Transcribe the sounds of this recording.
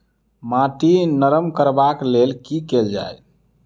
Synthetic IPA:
maʈinəɾəmkəɾbaklelkikeld͡ʒa̰j

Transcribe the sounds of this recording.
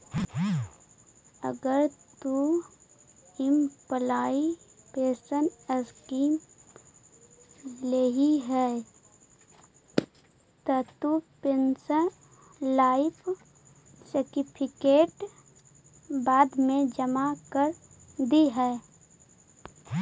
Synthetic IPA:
ə̰ɡəɾt̪u | ɪmpəlaːipeːsənəskiːm | leːɦiɦɛː | t̪ɔt̪upensən | laːɪpʰ | sɪɾʈɪpʰɪkeːʈ | baːd̪mẽd͡ʒəmakəɾ | d̪iɦɛː

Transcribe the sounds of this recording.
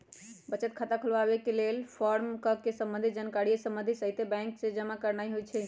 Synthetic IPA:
bət͡ʃət̪̚kʰat̪akʰəlbabekelelpʰɔɾmkəkesə̃mbənd̪ʱid͡ʒankaɾiesə̃mbənd̪ʱisəɦit̪ebɛ̃ŋksed͡ʒəmakəɾnajɦojt͡ʃʰɛ

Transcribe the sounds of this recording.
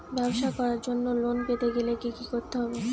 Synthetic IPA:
bɛboʃakɔɾaɾd͡ʑonːolonpet̪eɡelekikikoɾt̪eɦɔbe

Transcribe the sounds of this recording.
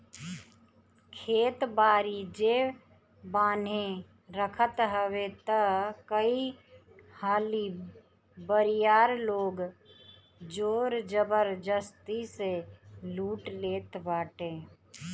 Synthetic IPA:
kʰeːt̪baːɾid͡ʒeː | baːnẽ | ɾəkʰət̪ɦəwet̪əkəi | haːli | bəɾijaːɾloːɡ | d͡ʒoːɾd͡ʒəbəɾd͡ʒəst̪iseluːʈleːt̪baːʈẽː

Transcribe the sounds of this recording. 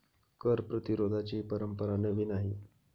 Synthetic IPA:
kəɾpɾət̪iɾod̪ʱat͡ɕiːpəɾəmpəɾanəʋiːnaɦi

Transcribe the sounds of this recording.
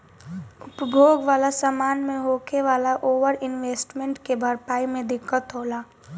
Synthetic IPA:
ʊpəbʱoːɡʋaːlasamaːnmẽɦoːkeʋaːlaʔoːʋəɾɪnʋeːsʈmẽɳʈkebʱəɾpaːimẽd̪ɪkːət̪ɦoːlaː

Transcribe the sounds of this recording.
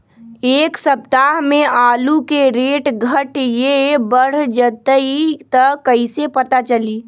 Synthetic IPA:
eːksɐp̚t̪aɦmẽʔaːlukeɾeːʈɡʱəʈjebəɽ̤d͡ʒət̪əit̪əkːəisepɐt̪at͡ʃəliː

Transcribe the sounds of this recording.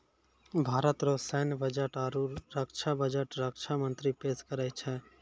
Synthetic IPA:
bʱaːɾət̪ɾosɛnbəd͡ʒəʈaːɾuɾəkt͡ʃʰabəd͡ʒəʈɾəkt͡ʃʰamənt̪ɾipeːskəɾət͡ʃʰɛ

